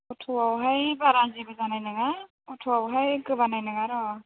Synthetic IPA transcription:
utʰuwawɦajbaɾazibɯzanajnɯŋa | utʰuawɦajkɯbanajnɯŋaɾɔ

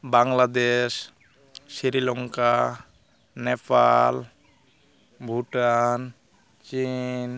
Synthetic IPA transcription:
baŋlad̪es | siɾilɔŋka | nɛpʰal | bʱuʈan | t͡ʃin

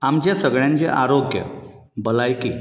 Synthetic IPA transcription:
amd͡ʑjasəɡɭjãɲt͡ɕḛʔaɾoɡjə̰ | bəlajki

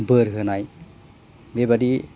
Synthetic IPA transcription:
bəɾɦɯnaj | bebaɾi

